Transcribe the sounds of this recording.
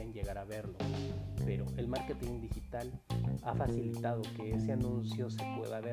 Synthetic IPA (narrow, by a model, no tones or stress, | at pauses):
enɟe̞ɣaɾaβe̞ɾlo̞pe̞ɾo̞ʔe̞lmaɾke̞t̪iŋd̪ixit̪alafasilit̪að̞o̞keeseanũnsjo̞se̞pwe̞̰ðaβe